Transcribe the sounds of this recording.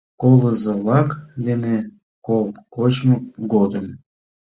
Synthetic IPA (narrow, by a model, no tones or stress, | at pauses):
koləzəlɑkd̪ene | kolkot͡ɕmokɡod̪əm